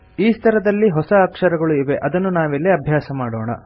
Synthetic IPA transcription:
iːst̪ʰɐɾɐd̪ɐlːiɦɔsɐːkʂɐɾɐɡɐɭuiʋeʔɐd̪ɐnːunaːʋelːiɐbʱjaːsɐmaːɽoːɳɐ̰

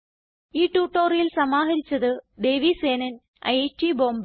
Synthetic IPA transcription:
iːʈːuːʈːoːrijilsɐmaːɦɐɾit͡ɕːɐðɨd̪e̞ːʋiseːnɐn | ɐ̰jetiboːmb

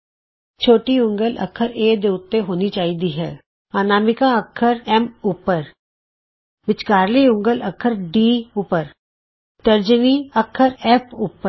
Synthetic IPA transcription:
t͡ʃʰoːʈiʊ̃ŋɡəlʔɐ̰kʰəɾeːd̪eːʊt̪ːeɦoːnit͡ʃaːɦid̪iɦɛ̰ː | aːnaːmɪkaɐkʰːəɾɛmupːəɾ | ʋɪt͡ʃkaːɾliʊ̃ŋɡələkʰəɾɖiːʊpəɾ | t̪əɾd͡ʒəniɐkʰːəɾɛːpʊːpːə

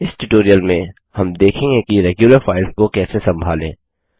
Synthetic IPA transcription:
ɪsʈuʈoːɾijəlmẽ | hɐmd̪eːkʰẽŋɡekiɾɛːɡjuːləɾfaːɪlskokɛːsesɐ̃mbʱaːlḛ̃ː

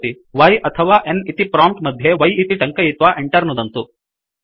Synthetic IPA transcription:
t̪i | ʋɐjʔɐt̪ʰɐʋaːʔenit̪ipɾaːmpʈmɐd̪ʱjeʋɐjit̪iʈɐŋkɐjit̪ʋaːʔeɳʈɐɾnud̪ɐnt̪u

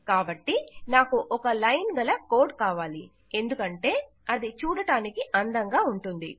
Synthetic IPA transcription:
kaːbɐʈːinaːkuʔɔkɐlɐjnɡɐlɐkoːʈ̚kaːʋaːli | e̞nd̪ukɐɳʈe̞ː | ɐd̪it͡ʃuːɽɐʈaːnikiʔɐnd̪ɐŋɡaːuɳʈund̪ḭ

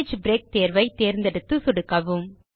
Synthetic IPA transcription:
d͡ʒbɾeːk̚t̪eːɾʋɐɪt̪eːɾnd̪ɛɽɯt̪ːɯsʊɽɯkːɐʋɯm

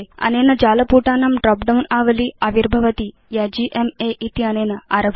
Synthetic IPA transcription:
ɐ̰neːnɐd͡ʒaːlɐpuʈaːnɐmɖɾɔːpɖɐwnaːʋɐliɐʋiɾbʱɐʋɐt̪i | jad͡ʒiːʔemeʔit̪iɐneːnɐa̰ːɾɐbʱ

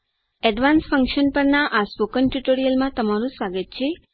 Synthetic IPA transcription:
ɛɖʋansfəŋkʃənpəɾnaʔaspokənʈuʈoɾijəlmãt̪əmaɾũsaɡət̪t͡ʃʰe

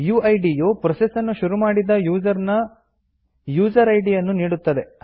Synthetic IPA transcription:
juːɐjɖijopɾɐsesɐnːuʃuɾumaːɽid̪ɐjuːd͡ʒɐɾnɐ | juːd͡ʒɐɾɐjɖijɐnːuniːɽut̪ːɐd̪e̞

